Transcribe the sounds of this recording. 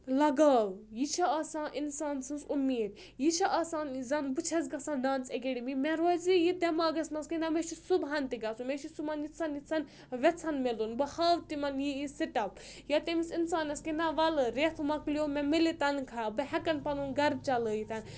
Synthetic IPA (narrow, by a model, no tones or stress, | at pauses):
lɐɡaːwjit͡ʃʰaaːsãːʔinsaːnsɨnsumeːd̪̚ | jit͡ʃʰɐʔaːsaːnzɐnbɨt͡ʃʰɐz̬ɡɐsãːndaːnt͡sekeɽimimeɾozijid̪emaːɡɐsnɐskinameʃʰisubɦant̪iɡasumeʃisumanjit͡sʰɐnjit͡sʰɐn | ʋʲɛt͡sʰɐnmelunbɐhaːʋt̪imɐnjiisiʈɐp̚jat̪emisinsaːnɐskinaʋɐlɨɾet̪ʰmɐkljomemilit̪ɐnkʰabɐɦɐkɐnpɐnunɡɐɾb̚t͡ʃɐləːjit̪ʰɐn